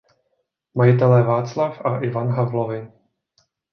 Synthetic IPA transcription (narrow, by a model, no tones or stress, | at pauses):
majɪt̪̬ɛlɛvaːt͡slafaʔɪvanɦavlovɪ